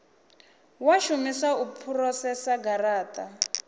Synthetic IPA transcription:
waʃumisaupʰurɔsɛsaɡaɾaːtʼa

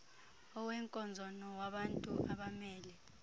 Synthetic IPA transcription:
ɔwɛŋkʼɔnd͡zʱɔnɔwaɓantʼuʔa̰ɓamɛːlɛ

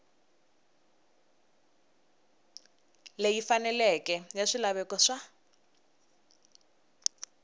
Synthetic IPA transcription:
lejifanɛlɛkʼɛjaʂilaβɛkɔʂa

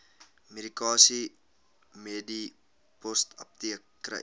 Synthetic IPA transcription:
meɾikɑːsi | meːdi | pɔstɐ̰p̚tiəkː | rə̰

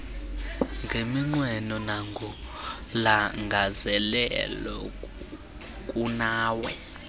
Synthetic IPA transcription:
ŋɡʱemiŋ͡ǀwɛnɔnaŋɡʱɔ | laŋɡʱazɛlɛlɔ | kʼunaːwɛ

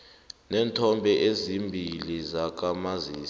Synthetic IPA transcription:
nɛːntʰɔmbʱɛʔezimbʱilizak̬ʼamaziːs

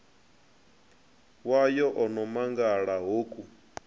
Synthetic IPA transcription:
wajɔʔɔnɔmaŋɡaɺaɦoːkʼu

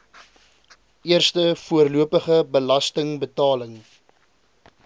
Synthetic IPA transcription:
ʔiərstəfuərluəpəχəbəlɐstəŋbətɑːləŋ

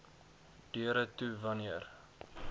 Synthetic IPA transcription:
d̥yəɾətuvɐniər

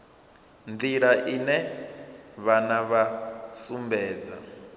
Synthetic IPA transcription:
nd̪iɺaʔinɛ | βanaβasumbɛːd͡za̰

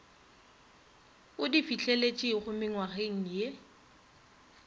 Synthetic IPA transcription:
ʊdifit͡ɬʼelet͡ʃʼɪχʊmɪŋwaχeŋ̩je

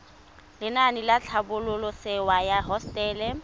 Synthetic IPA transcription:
lɪnanɪlat͡ɬʰabʊlʊlʊsɪwajaɦɔstʼɛːlɛ

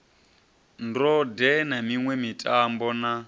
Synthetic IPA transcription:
ndɔdɛnamiŋwɛmitʼambɔna

